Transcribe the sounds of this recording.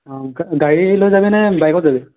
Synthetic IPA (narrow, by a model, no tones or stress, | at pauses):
ɡɡaɹilojzabɛnɛbajkɔtzabɛ